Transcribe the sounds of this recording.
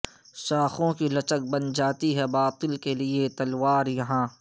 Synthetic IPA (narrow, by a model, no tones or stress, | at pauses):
ʃaːxõkilɐt͡ʃək̚bɐnd͡ʒaːt̪iɦɛbaːt̪ɪlkeliet̪ɐlwaːɾjɐɦãː